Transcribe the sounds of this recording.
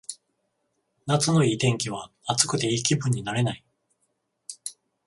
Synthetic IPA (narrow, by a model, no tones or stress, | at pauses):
nat͡sɨno̞iːt̪ẽ̞ŋkʲiβ̞a | at͡sɨ̥kɯ̟t̪e̞iːkʲibɯ̟̃ɲ̟ːinaɾe̞nai